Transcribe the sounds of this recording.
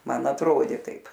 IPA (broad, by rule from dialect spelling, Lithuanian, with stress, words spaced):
ˈmɐn ɐtˈroːdʲeː ˈtɐɪp